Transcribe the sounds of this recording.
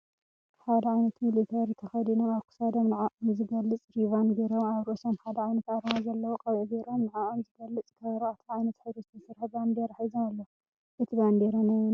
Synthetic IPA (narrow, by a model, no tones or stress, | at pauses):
ħad̪ɐʕajnɐt̪milit̪ʰɐɾt̪ʰɐxɐd̪inomaβkʰu̥sad̪omnɨʕaʔʼomzɨɡɐlːɨt͡sʼɾivanɡeɾoaβɾʔosomħad̪ɐʕajnɐt̪aɾmazɐlːɐwoqʼɐβʕiɡeɾomnɨʕaʔʼomzɨɡɐlːɨt͡sʼk̪ʰɐβɾoat̪ʰʕajnɐt̪ħɨβɾuzt̪ʰɐsɨɾħband̪eɾaħajzomalːo | ʔɨt̪ʰiband̪eɾɐnajun